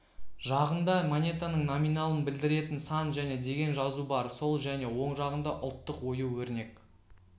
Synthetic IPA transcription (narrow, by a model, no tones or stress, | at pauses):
ʒɑʁənd̪ɑmonʲe̞t̪anəɴnominɑlˠənbɪld̪ɪɾe̞t̪ɪnsɑnʒæne̞d̪e̞ɡʲe̞nʒɑzubɑɾso̞lˠʒæne̞wo̞ɴʒɑʁənd̪ɑʔʊlˠt̪ːəqwo̞juwɵɾne̞k